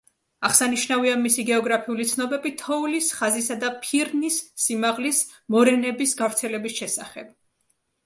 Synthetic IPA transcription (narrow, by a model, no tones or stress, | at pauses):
aχsaniʃnaviamisiɡɛɔɡɾapʰiulit̪sʰnɔbɛbit̪ʰɔulisχazisad̪apʰiɾnisːimaʁlis | mɔɾɛnɛbisɡavɾt̪sʰɛlɛbisʃɛsaχɛb̥̚